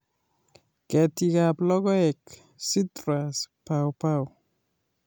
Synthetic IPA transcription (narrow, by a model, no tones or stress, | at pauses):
kɛtikaplɔɡɔɛk | sitɾaspawpaw